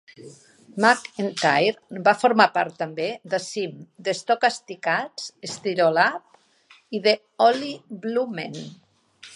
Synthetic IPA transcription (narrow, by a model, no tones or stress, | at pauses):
makent̪ajɾbafoɾmapaɾt̪ːəmbed̪əsimd̪əst̪okast̪ikat͡sest̪iɾolap̚ | iðə | ɔliblumen